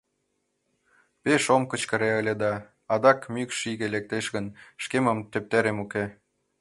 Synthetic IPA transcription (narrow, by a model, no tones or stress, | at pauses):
peʃomkə̆t͡ɕkə̆ɾeəlʲed̪ɑː | d̪ɑkmykʃiɣelek̚t̪eʃɣənʃkemə̆mt̪øp̚t̪æɾemuke